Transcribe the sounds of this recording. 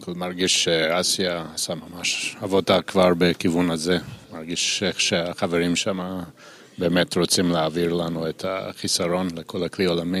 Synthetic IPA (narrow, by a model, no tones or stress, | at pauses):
kolmaʁɡiʃːeasjasamamaʃavodakvaʁbekivunazemaʁɡiʃeχʃeaχaveʁimʃama | beːmetʁot͡simleaviʁlanuetʰa̰χisaʁo̞nlekʰolakliolami